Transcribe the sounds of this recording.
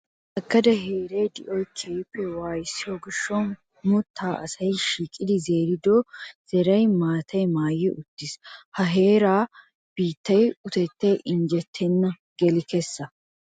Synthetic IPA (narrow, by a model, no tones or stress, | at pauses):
ʔɐɡːɐd̪ɐɦeːɾɛjd̪ɪʔɔjkʰeːpːɛwaːjɪsːɪjɔɡɪʃːɔn | mʊt̪ʰːaːʔɐsɐjʃiːkʼːɪd̪ɪze̞ːɾɪd̪ɔz̥ɛɾɐjmaːt̪ʰɐjmaːjːɪʊt̪ːɪshɐɦe̞ːɾaː | b̥iːt̪ːɐjʊt̪ɛt̪ːɛjʔɪɲd͡ʒɛt̪ʰːɛnːɐ | ɡ̥ɛlɪkɛsːɐ